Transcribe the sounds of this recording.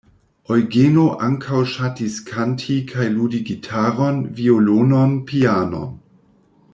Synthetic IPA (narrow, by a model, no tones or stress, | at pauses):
ojɡenoʔaŋkʰawʃatiskʰantʰikʰajludiɡitʰaɾonviolononpʰiano̰n